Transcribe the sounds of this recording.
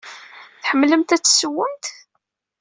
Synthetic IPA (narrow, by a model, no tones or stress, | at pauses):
θħəmːləmt̪æt͡sːsəwːəmt̪